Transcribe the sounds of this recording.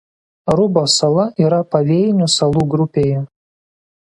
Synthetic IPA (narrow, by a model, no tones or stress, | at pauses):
ɾʊboːsɐlˠɐʔiːɾɐpɐʋʲeːjnʲʊsɐlˠuːɡɾʊpʲeːjɛ